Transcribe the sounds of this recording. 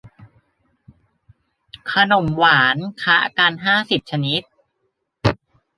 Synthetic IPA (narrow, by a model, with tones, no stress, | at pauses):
kʰa˧no˨˩mwaː˩˦nkʰa˦˥ʔkaː˧nɦaː˥˩si˨˩p̚t͡ɕʰa˧ni˦˥t̪̚